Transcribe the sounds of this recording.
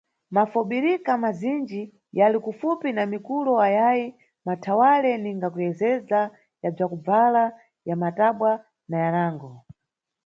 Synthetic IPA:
mafuɓiɾikamazind͡ʒi | jalikufupinamikulɔajaji | matʰawalɛniŋɡakujɛzɛza | jab͡ʐakub͡vala | jamataɓwa | najanaːŋɡɔ

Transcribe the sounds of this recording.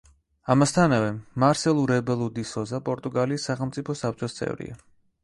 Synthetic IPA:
amast̪ʰanavɛmaɾsɛlˠuɾɛbɛlˠud̪isɔzapʼɔɾt̪ʼuɡaliːsːaχɛlˠmt̪sʼipʰɔsap̚ʰt͡ʃʼɔst̪sʼɛ̰vɾḭa̰

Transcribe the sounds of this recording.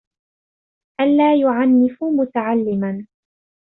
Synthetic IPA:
ʔanːaːjʊʕanːɪfʊmʊt̪aʕalːɪman

